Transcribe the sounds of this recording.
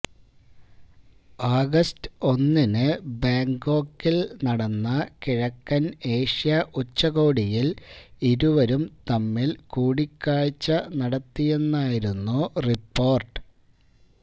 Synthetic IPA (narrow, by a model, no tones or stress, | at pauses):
aːɡɐstɨ̥o̞nːinɨbaːŋɡo̞ːkːilnɐɽɐnːɐkiɻɐkːɐne̞ːʂijɐʔut͡ɕːɐɣo̞ːɽijiliɾuʋɐɾumt̪ɐmːilkuːɽikʲːaːɻt͡ɕːɐnɐɽɐt̪ːije̞nːaːjiɾunːuripːo̞ːrʈɨ̥